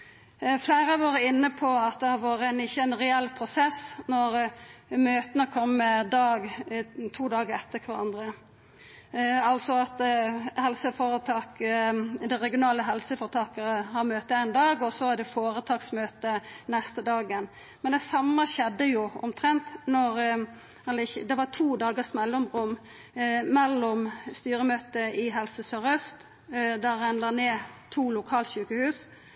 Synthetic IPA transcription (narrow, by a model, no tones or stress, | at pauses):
fleːɾɑʋɑːɾəɪnːəpʰɔɑt̪̚d̪ɛhɑɾʋoːɾəɛnɪçːəɛnɾɛɛlːpʰɾʊsɛsnɔɾmøːt̪ənəkʰɔmːəd̪ɑːɡt̪ʰuːd̪ɑːɡəɾɛt̪ʰːəkʰʋɑɾɑ̰nd̪ʁə | ɑlsɔɑt̪hɛlsəfoːɾət̪ʰɑːk | d̪ɛɾɛɡɪʊnɑːləɦɛlsəfɔɾt̪ʰɑːkəɾəhɑɾmøːt̪əæɪnd̪ɑːɡɔsɔæɖɛfoːɾət̪ʰɑːksmøːt̪ənɛst̪əd̪ɑːɡən | mɛnd̪ɛsɑmːəçɛd̪ːəjʊʔɔ̰mt̪ʰɾɛnt̪nɔɾ | ɑlɪd̪ɛʋɑt̪ʰuːd̪ɑːɡəsmɛlːɔmʁʉmː | mɛlːɔmst̪yːɾəmøːt̪əɪɦɛlsəsœʁœst̪ | d̪æʁɛnləneːt̪ʰuːlʊkʰɑːlçʉːkəhʉːs